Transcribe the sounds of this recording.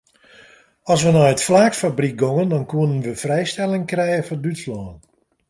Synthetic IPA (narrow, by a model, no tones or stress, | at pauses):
ɔs̬ʋənɔjətflaːkfabrik̚ɡoŋəndɔnkuənənʋəfrɛjstɛlˠɪŋkrɛjəfɔndytslɔːn